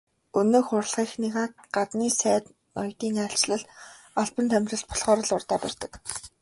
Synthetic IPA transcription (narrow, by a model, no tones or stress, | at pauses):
ɵnɵːxʊrɮʁ̥iːxniʁaːt̪̚ɢat̪niːsæːt̪ | nɔ̰jt̪iːŋaɬt͡ɕɮə̆ɮ | aɮpə̆nt̪ʰæmʲrʲə̆ɬt̪̚pʰɔ̥ɮχɔːɾə̆ɮʊrt̪aːpæ̰rt̪ə̆k